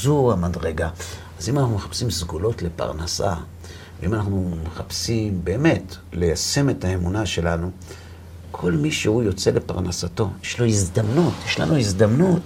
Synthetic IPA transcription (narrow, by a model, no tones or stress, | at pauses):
zuamadʁeɡa | azimanaχnume̞χḁpsimsɡulo̞tle̞pa̰ʁnasa̰ | veimanaχnumeχapsimbe̞ːme̞t | le̞jase̞me̞taemunaʃe̞lanu | kʰo̞lmiʃehujo̞t͡se̞le̞pa̰ʁnasato̞jeʃlo̞izd̪amnutjeʃla̰nʔuizd̪amnut